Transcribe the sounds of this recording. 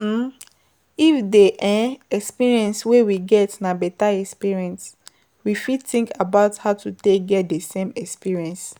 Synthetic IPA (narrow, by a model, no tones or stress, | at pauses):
ifdeʔaɛkspiɹiɛ̃nswewiɡɛtnabɛtaɛkspiɹiɛ̃ns | wifid̚tĩŋkabaʊthaʊtuteɡɛt̚desẽmɛkspiɹiɛ̃ns